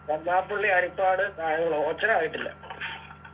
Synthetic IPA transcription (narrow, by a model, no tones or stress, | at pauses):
kɐmːaːpːuɭːiɐɾipːaːɽɨnaːjɐŋːɐɭooːt͡ɕːɐɾɐaːjiʈːilːɐ̰